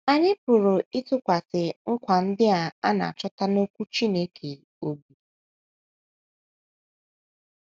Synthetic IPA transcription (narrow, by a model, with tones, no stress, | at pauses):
a˨ɲɪ˦pʊ˨ɾʊ˨ɪ˦tʊ˦kʷa˨sɪ˨ŋ̩˦kʷa˨n̩˦dɪ˦a˨a˦na̰˨a̰˨t͡ʃɔ˦ta˦no˦kʷu˦t͡ʃi˦ne˦kʰe˨ | o˦bu˨